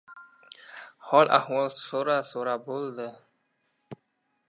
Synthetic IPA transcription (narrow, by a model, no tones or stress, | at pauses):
hɔlʔa̰hwɔlsoɾɑsoɾɑbolˠd̪ə